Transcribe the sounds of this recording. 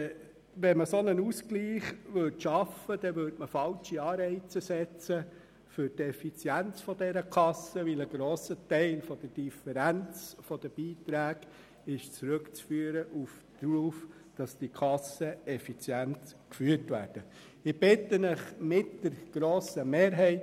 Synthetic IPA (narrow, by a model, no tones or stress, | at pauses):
ʋɛnməsɔnənuskliːχʋɵtʃɑfəd̥̪ɛʋøɾtməfɑlt͡ʃiɑːɾɛɪt͡səsɛt͡sə | fʏɾtɛfit͡sjænt͡sfɔdɛɾəkʰɑsəʋiləɡɾoːsətɛɪlfɔd̥̪əd̥ifəɾænt͡sfɔd̥̪əb̥iːtɾæːɡ | ɪʃt͡sɾɵkt͡sfyːəɾəʔuf | d̪̥ɾuːf | d̥ɑsd̥ikʰɑsəɛfit͡sjæntkfyːətʋæ̰ːɾd̥ə | ɪb̥ɪtːənəχmɪtd̥əɾɡ̥ɾoːsəmeːɾɦɛɪt